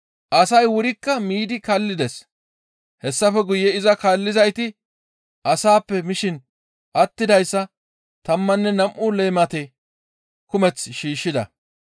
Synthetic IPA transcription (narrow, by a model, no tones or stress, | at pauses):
ʔɐsɐjwʊɾɪkːɐmiːd̪ɪkɐlːɪd̪ɛs | hɛsːɐfɛɡʊjːɛɪzɐkɐlːɪzɐjt̪ɪ | ʔɐsaːpːɛmɪʃɪn | ʔɐt̪ːɪd̪ɐjsːɐ | t̪ɐmːɐnːɛnɐmʔʊleːmɐt̪e | kʊmɛt͡sʃiːʃːɪd̪ɐ̰